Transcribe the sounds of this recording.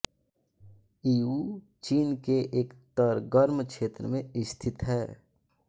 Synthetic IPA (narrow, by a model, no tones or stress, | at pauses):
iːuː | t͡ʃiːnkeʔeːkt̪əɾɡəɾmkʃeːt̪ɾəmẽɪst̪ʰɪt̪ɦɛː